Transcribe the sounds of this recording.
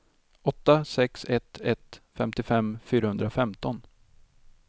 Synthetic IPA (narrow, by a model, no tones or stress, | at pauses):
ɔt̪ːasɛksɛt̪ɛt̪fɛmt̪ɪfɛmfyːɾahɵnd̪ɾafɛmt̪ɔn